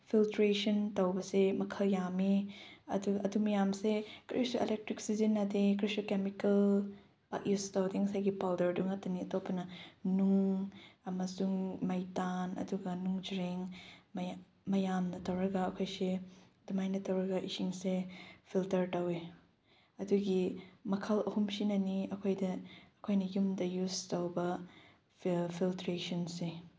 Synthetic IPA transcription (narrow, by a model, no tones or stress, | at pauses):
pʰiltɾesɐntɐwbɐsemɐkʰɐljamiɐ̰duɡɐɐdumɐjamsekɾisoḛlek̚tɾiksizinːɐdekɾisokemikɐl | b̥a̰kjustawdeŋɐsajɡipawdɐɾduŋɐtɐniɐtowpʰɐnɐnuŋɐmɐsuŋmɐjtanɐ̰duɡɐnuŋd͡ʒɾeŋm | mɐjamnɐtɐwɾɐɡɐːkʰojsedumajnɐtʰɐwɾɐɡɐʔisiŋsepʰiltɐɾtɐwe | ɐduɡimɐkʰɐlɐhumsinɐniɐkʰojdɐːkʰojnɐjumdɐjustɐwbɐ | pʰiltɾesɔnse